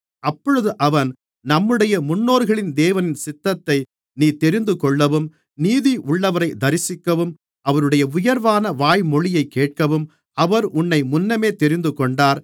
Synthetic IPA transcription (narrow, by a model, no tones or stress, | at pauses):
ʔɐpːɔɻɯðɯʔɐʋɐn | nɐmːɯɽɐjɐmʊnːoːɾɣɐɭɪnd̪eːʋɐnɪnsɪt̪ːɐt̪ːɐɪ | niːt̪ɛɾɪnd̪ɯkɔɭːɐʋɯm | niːðiʔʊɭːɐʋɐɾɐɪd̪ɐɾɪsɪkːɐʋɯm | ɐʋɐɾɯɽɐjɐʊjɐɾʋaːnɐʋaːjmɔɭɪjɐɪkːeːʈ̚kɐʋɯm | ɐʋɐɾʊnːɐɪmʊnːɐmeːt̪ɛɾɪnd̪ɯkɔɳɖaːɾ